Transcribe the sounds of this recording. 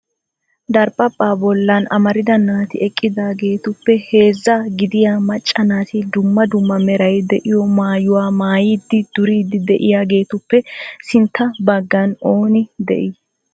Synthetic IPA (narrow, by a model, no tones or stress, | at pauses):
d̪ɐɾpʼɐpʼːaːbɔlːɐnɐ̰mɐɾɪd̪ɐnaːt̪ɪɛkʼːɪd̪aːɡe̞ːt̪ʊpːɛhe̞ːzːɐɡɪd̪ɪjaːmɐt͡ʃʼːɐnaːt̪ɪd̪ʊmːɐd̪ʊmːɐmɛɾɐjd̪ɛʔɪjɔmaːjʊwaːmaːjɪd̪ːɪd̪ʊɾiːd̪ːɪd̪ɛʔɪjaːɡe̞ːt̪ʊpːɛsɪnt̪ːɐbɐɡːɐno̞ːnɪd̪ɛ̰ʔɪ